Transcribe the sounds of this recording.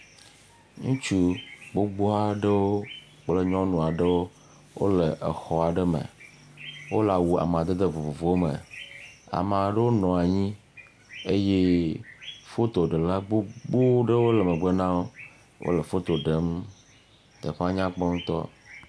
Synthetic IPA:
ŋũ˦t͡ʃu˦ɡ͡bo˦ɡ͡bo˦a˦ɖə˦wo˦ | k͡ple˦ɲɔ̃˦nũ˨a˨ɖə˦wo˦ | wo̰˦lə˨ʔḛ˨xɔ˨a˨ɖə˦mə̰˨ | wo˦la˨wu˨a̰˨m˨a˨d̪e˦d̪e˦vo˨vo˨vo˦wmə̰˨ | a̰˨mã˨ɖə˦wo˦nɔ̃˨a˨ɲĩ˦ | e˦je˦ | fo˦t̪o˨ɖe˨la˦ɡ͡bo˦ɡ͡bo˦ɖə˦wo˦lə˨mə̃˨ɡ͡be˦nã˦wo˦ | wʔo̰˦lə˨fo˦t̪o˨ɖe˨˦m | t̪ə̰˨ɸa˦ɲã˦k͡pɔ˦ŋũ˦t̪ɔ̰˦

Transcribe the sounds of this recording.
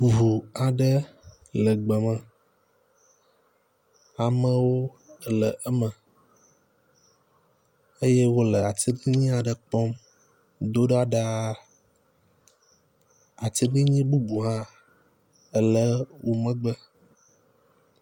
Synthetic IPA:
vu˨a˨ɖə˦ | lə˨ɡ͡bə˨mə̃˨ | a˨mə̃˦wo˦ | ə˨lə˨ʔə˦mə̃˨ | ə˦je˦wo˦lə˨a˨t̪i˦bi˦ɲĩ˦a˨ɖə˨k͡pɔ˦m | d̪o˦ɖa˦ɖa˦ | a˨t̪i˦ɖi˦ɲĩ˦bu˦bu˨ɦã˦ | ə˨lə˦wʔo˨mə̃˦ɡ͡bə˦

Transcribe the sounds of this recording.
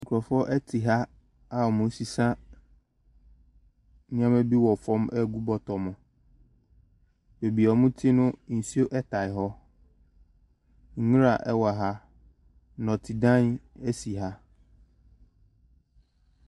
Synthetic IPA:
ŋ̩˨kʰɾɔ˨fɔ˦ʔɛ˦tʰi˨ɦa˦ | a˦ɔ˨mʊ̃˨˦si˨sã˦ | nɪ̃˦ã˦mæ˦bi˦wɔ˨fɔ̃˦mʔɛ˦˨ɡu˦bɔ˦tʰɔ˨mʊ̃˨ | be˨bi˨ɔ˨˦mʊ̃˦tʰi˦nʊ̃˦n̩˨si˦o˦ʔɛ˦tʰa˨ɪ˨ɦɔ˦ | ŋ̩˨˦ɲũ˦ɾa˨ʔɛ˦wa˨ɦa˦ | nɔ̃˨tʰɪ˨dã˦nɛ˦si˨ɦa˦

